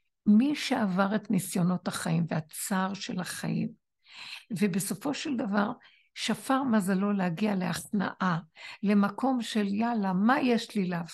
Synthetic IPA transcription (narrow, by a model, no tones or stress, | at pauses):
miʃe̞avaʁet̪nisjo̞no̞taχaimveat͡saʁʃelaχa̰jḭm | vebeso̞fo̞ʃeld̪avaʁ | ʃafaʁmazalo̞lehaɡialeaχna̰ʔale̞mako̞mʃeljalamaje̞ʃlilav